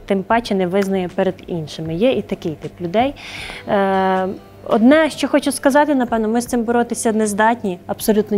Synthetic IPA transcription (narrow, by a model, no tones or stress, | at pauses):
t̪ɪmpɑt͡ʃʲɪnɛʋɪznɐjɛpɛɾed̪inʃɪmɪjɛʔit̪ɐkɪjt̪ɪplʲʊd̪ɛj | ɔ̰d̪nɛʃt͡ʃɔxɔt͡ʃʊskɐzɑt̪ɪnɐpɛwnɔmɪst̪ɪmbɔɾɔt̪ɪsʲɐnɛzd̪ɑtʲnʲiɐbsɔlʲut̪nɔ